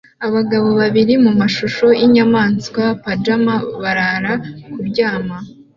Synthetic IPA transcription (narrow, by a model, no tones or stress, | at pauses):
aβaɡaβo̞βaβiɾimumaʃuʃo̞ʔiɲamaːnskwapad͡ʒamaβaɾaɾakubɟaːma